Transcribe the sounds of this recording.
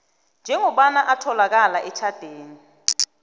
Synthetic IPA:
nd͡ʒʱɛŋɔɓanaʔatʰɔlak̬alaʔɛt͡ʃʰad̥ʱeːni

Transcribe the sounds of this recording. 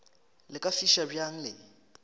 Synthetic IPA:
lɪkʼafiʃabjaŋ̩lɪ

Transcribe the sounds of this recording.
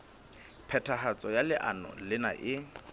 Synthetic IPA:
pʰɛtʰaɦat͡sʼɔjalɪʔa̰nɔ̰lɪna̰ʔɪ

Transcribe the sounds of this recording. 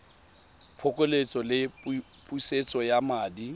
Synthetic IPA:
pʰʊkʼelet͡sʼɔlɪpʼuiset͡sʼɔjamaːdi

